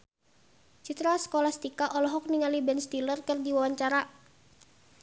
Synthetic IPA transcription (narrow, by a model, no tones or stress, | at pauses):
t͡ʃit̪ɾasə̥kolahst̪ikaʔɔlɔɦɔk̚niŋalibɛnst̪ilərkɨrdiwawaɲt͡ʃaɾa